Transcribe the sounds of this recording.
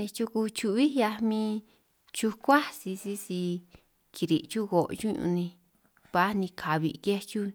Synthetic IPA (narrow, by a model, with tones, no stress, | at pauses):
nẽ˧t͡ʃu˧ku˧t͡ʃu˧βi˦ja˧mĩ˧˦ | t͡ʃu˧kʷa˦si˧si˦si˧ | kʰi˧ɾi˨t͡ʃu˦ɣo˨˧t͡ʃũ˦ɲṵ̃˧nĩ˧ | βa˦nĩ˧kʰa˨βḭ˧˨ke˦t͡ʃu˦